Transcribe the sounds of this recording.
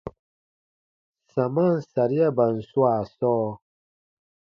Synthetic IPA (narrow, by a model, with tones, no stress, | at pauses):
sa˨ma˦n˨sa˨ɾi˦a˦ba˨n̩˨su˦a˨sɔː˦